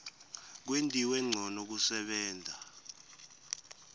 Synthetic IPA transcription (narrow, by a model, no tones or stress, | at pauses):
k̬wentʼiwɛŋ͡ǀʱɔnok̬usɛɓɛːnd͡zʱa